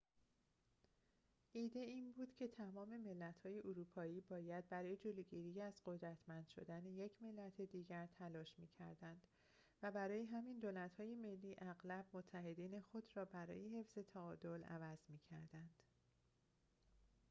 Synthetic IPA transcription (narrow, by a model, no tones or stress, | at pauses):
ʔiːd̪e̞iːnbuːd̪̥cʰe̞t̪ʰæmɒːme̞me̞lːæt̪hɒːje̞ʔoɾupʰɒːiːbɒːjæd̪̚bæɾɒːjed͡ʒoloɟiɾijæzɢo̞d̪ɾæt̪ʰmænd̪̥ʃo̞̰d̪æneje̞cʰme̞lːæt̪ʰe̞d̪iːɟæɾt̪ʰælɒːʃmiːcʰæɾd̪ænd̪̥ | væbæɾɒːje̞ɦæmind̪oːlæt̪hɒːje̞me̞lːiːʔæɣlæb̥̚mot̪ʰːæɦe̞d̪iːne̞xo̞d̪ɾɒːbæɾɒ̰ːje̞ɦe̞fz̥e̞t̪ʰæɒːd̪olæ̰væz̥miːcʰæ̰ɾd̪ænd̪̥